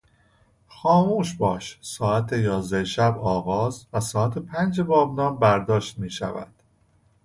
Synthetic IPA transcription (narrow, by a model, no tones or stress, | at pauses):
xɒːmuːʃbɒːʃsɒːæt̪ʰejɒːzd̪æʃæbɒːɣɒːzvæsɒːæt̪ʰepʰænd͡ʒebɒːbnɒːmbæɾd̪ɒːʃt̪miːʃæ̰væ̰d̪̥